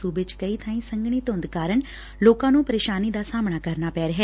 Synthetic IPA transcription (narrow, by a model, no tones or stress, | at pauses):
uːbɪt͡ʃkəiːt̪ʰaːĩːsəŋɡɳ̃iːt̪õːnd̪kaːɾəɳ | loːkãːnũːpəɾeːʃaːniːd̪aːsaːmɳaːkəɾnaːpɛːɾəɦɛː